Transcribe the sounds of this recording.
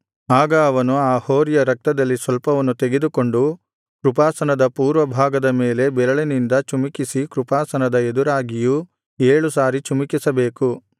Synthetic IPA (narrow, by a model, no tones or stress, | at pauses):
aːɡɐːʋɐnuaːhoːɾijɐɾɐk̚t̪ɐd̪ɐlːisʋɐlpɐʋɐnːut̪eɡe̞d̪uko̞ɳɖu | kɾupaːsɐnɐd̪ɐpuːɾʋɐbʱaːɡɐd̪ɐme̞ːle̞bɛɾɐɭinind̪ɐt͡ʃumikisikɾupaːsɐnɐd̪ɐed̪uɾaːɡiju | eːɭusaːɾit͡ʃumikisɐbeːku